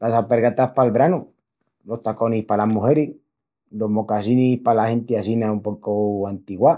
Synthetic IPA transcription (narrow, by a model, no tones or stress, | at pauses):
lasapeɾɣat̪ahpalβɾanu | lo̞st̪ako̞nihpalamuheɾi | lo̞ɦmokasinihpalahe̞nt̪easinaumpo̞koant̪iɣwa